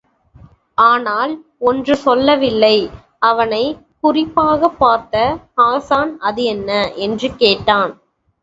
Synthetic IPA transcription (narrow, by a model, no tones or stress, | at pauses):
aːnaːlɔndrɯsɔlːɐʋɪlːɐɪ | ɐʋɐnɐɪ | kʊrɪpːaːɣɐpːaːɾt̪ɐhaːsaːnɐðɯɛnːɐʔɛndrɯkeːʈːaːn